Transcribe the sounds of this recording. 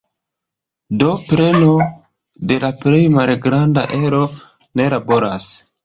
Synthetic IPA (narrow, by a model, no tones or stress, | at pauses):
do̞pɾe̞no̞ | de̞lapɾe̞jmalɡɾandaʔe̞ɾo̞ | ne̞labo̞ɾas